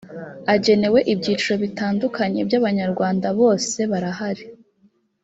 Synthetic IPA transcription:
aɟe̞ne̞we̞ʔibɟiːt͡ʃiɾo̞βitaːndukʰaɲe̞bjaβaɲaɾɡwaːndaβo̞ːse̞βaɾahaɾi

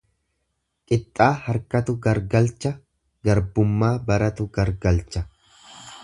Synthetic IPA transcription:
kʼɪt̪ʼːaːhɐɾkɐt̪ʊɡɐɾɡɐlt͡ʃːɐ | ɡɐɾbʊmːaːbɐɾɐt̪ʊɡɐɾɡɐlt͡ʃːɐ

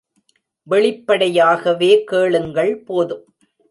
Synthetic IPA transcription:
ʋɛɭɪpːɐɽɐjaːɣɐʋeːkeːɭɯŋɡɐɭpoːðɯm

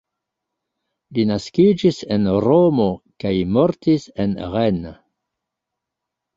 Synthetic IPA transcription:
linaskid͡ʒisenɾomo̞kajmoɾtisenʁen

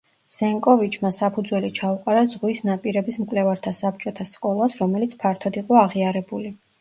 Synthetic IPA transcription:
z̥ɛŋkʼɔvit͡ʃʰmasapʰud̪zwɛlit͡ʃʰauqʼaɾazʁwisnapʼiɾɛbismkʼlɛvaɾt̪ʰasap̚t͡ʃʼɔt̪ʰaskʼɔlˠasɾɔmɛlit̪sʰpʰaɾt̪ʰɔd̪iqʼɔaʁiaɾɛbuli

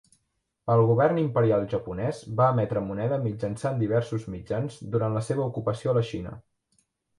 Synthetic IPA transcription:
əlˠɣuβ̞ɛrnimpəɾialˠʒəpunɛzβaːmɛt̪ɾəmunɛðəmid͡ʒənsand̪iβ̞ɛrsuzmid͡ʒanzd̪uɾanləseβəukupəsioələʃinə̰

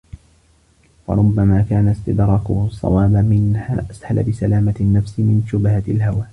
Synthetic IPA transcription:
wɑ̰ɾˤʊbːamaːkaːnast̪ɪd̪ɾˤɑːkʊhʊsˤːɑ̰wɑːbamɪnha̰ːʔashala̰bɪsalaːmanːafsɪmɪnʃʊbhalɦawaː

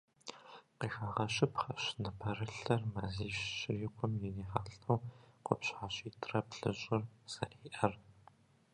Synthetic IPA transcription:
qiːxaːʁɐɕɪpχɐɕnɨpʰɐrɨɬɐrmɐziːɕːɪrɪqʷʰʼʊmjɛneːχaːɬʼɐwqʷʊpɕħaːɕiːtʰrɐpɬɨɕʼɪrz̥ɐriːʔɐr

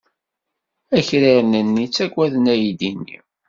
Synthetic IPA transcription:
æçɾiɾnənːit͡sːæɡwæðənæjid̪inːḭ

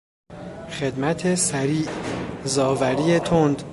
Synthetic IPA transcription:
χe̞d̪mæt̪ʰe̞sæɾiːʔzɒːvæɾiːet̪ʰond̪

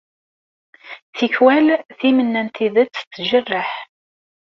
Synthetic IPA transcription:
θiçwælθimənːænt̪iðət͡sːt͡s̪ːʒərːəħ

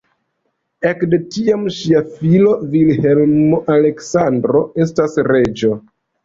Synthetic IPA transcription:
ekde̞tiamʃiafilo̞vilhe̞lmmoʔale̞ksandɾo̞e̞stasɾe̞d͡ʒo̞

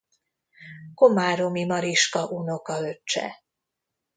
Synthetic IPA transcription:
komaːɾomimɒɾiʃkɒʔuno̞kɒøt͡ʃːɛ̰

